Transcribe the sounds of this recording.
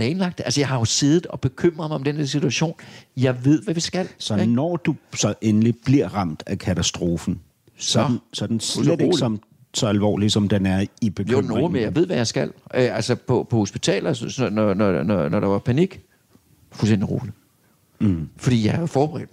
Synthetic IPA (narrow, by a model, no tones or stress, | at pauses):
lɛnlɑ̈ɡ̥d̥ælsəjɑ̈ɪhɑ̈jo̝se̝ðˠð̩ˠɒ̽b̥e̝kʰøm̰ʁɐðˠmɑɪɒ̽md̥end̥eɐ̰sit͡sʰuæɕo̝̰ːnjɑ̈ɪʋe̝ð̞̰ˠʋæʋisɡ̥æl̰sɒnɒːd̥usɒ̽ʔenəlib̥liɐ̰ʁɑ̈m̰d̥ækʰæt͡sʰæsd̥ʁo̝ːfn̩ | sn̩sɒd̥n̩ssɒm | sɒ̽ælʋɒ̰ːlisɒ̽md̥enæɐib̥e̝kjʰoø̰mnoːlmejɑ̈ɪʋe̝ð̰ˠʋæjɑ̈ɪsɡ̥æl̰ʔælsəpʰɒ̽pʰɒ̽ho̝sb̥it͡sʰɛ̰ːlɐnɒnɒnɒnɒɾ̥ɑ̈ʋɑ̈pʰæniɡ̥ | fulsden̰d̥iʁo̝̰ːli | fɒd̥ḭːjɑ̈hɑjo̝fɒːb̥eʁɛ̰ːd̥m